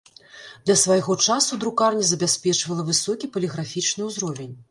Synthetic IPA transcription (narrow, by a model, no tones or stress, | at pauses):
d̪lʲɐsvajɣɔt͡ʂasud̪ɾukarnʲizɐbʲasʲpʲɛt͡ʂvɐlˠɐvɨsɔkʲipɐlʲiɣɾafʲit͡ʂnɨwzɾɔvʲenʲ